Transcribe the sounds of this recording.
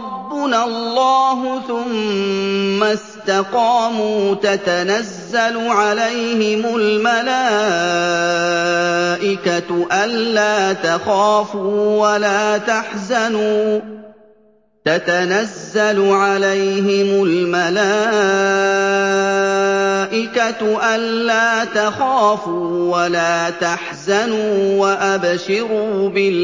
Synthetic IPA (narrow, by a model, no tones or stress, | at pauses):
ɑbːʊnalˤːɑːɦʊθʊmː | ast̪aqɑːmuːt̪at̪anazːalʊʕalajhɪmʊlmalaː | ʔɪkaʔanːaːt̪axaːfuːwalaːt̪aħzanuː | t̪at̪anazːalʊʕalajhɪmʊlmalaː | ʔɪkat̪ʔanːaːt̪axaːfuːwalaːt̪aħzanuːwaʔabʃɪɾuːbɪl